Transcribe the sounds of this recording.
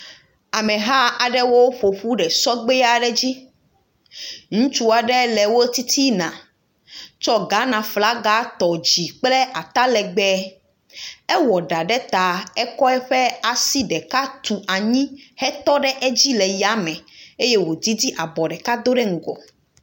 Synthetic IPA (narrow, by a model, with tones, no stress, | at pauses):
a˨mɛ̃˨ɦa˦a˨ɖɛ˦wo˦ɸo˨ɸu˦ɖɛ˨sɔ˦ɡ͡be˦a˨ɖɛ˦d͡ʑi˦ | ŋũ˦t͡ʃu˦a˨ɖɛ˦lɛ˨wo˦t̪i˦t̪i˦nã˨ | t͡ʃɔ˦ɡa˨˦nã˨fla˦ɡa˦t̪ɔ˨d͡ʑi˨k͡plɛ˦ʔa˨t̪a˦lɛ˨ɡ͡bɛ˦ | ɛ˦wɔ˨ɖa˨ɖɛ˦t̪a˨ɛ˦kɔ˦ɛ˦ɸɛ˦a˨si˦ɖɛ˨ka˦t̪u˨ʔa˨ɲĩ˦hɛ˦t̪ɔ˦ɖɛ˦ʔɛ˦d͡ʑi˦lɛ˨ja˨˦mɛ̃˨e˦je˦wo˨d̪i˦d̪i˦ʔa˨bɔ˨ɖɛ˨ka˦d̪o˦ɖɛ˦ŋ̩˨ɡɔ˨